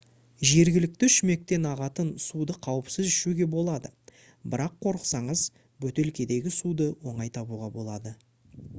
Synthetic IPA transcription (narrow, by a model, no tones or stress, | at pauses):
ʒe̞ɾɡʲɪlɪk̚t̪ɪʏʃme̞k̚t̪e̞nɑʁɑt̪ənsud̪əqʰɑwəpsɪzʏʃuɡʲe̞bo̞lˠɑd̪ə | bɪɾɑqʰːo̞ɾəqsɑɴəz | bɵt̪e̞lkʲe̞d̪e̞ɡʲɪsud̪əwo̞ɴɑjt̪ʰɑbuʁɑbo̞lˠɑd̪ə